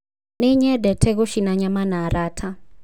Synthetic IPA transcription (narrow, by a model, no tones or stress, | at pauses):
neɲɛdɛtʰɛɣoʃinaɲamanaɾatʰa